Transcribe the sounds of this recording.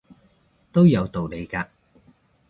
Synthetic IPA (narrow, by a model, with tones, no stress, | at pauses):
t̪o˥wjɐ˨˧wt̪o˨wle˨˧jkaː˧